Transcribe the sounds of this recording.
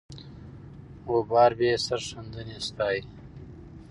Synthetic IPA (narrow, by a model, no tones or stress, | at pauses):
wobɑːɾbeːsaɾʂənd̪ənest̪ɑːj